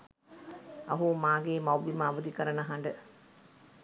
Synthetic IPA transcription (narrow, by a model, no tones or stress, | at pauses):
ɐ̰ɦumaːɡeːmawbimaːʋud̪ikəɾənəɦaɳɖə